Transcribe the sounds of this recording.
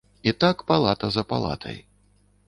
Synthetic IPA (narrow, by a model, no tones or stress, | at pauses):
it̪akpalˠat̪ɐzɐpa̰lˠa̰t̪ʰɐ̰j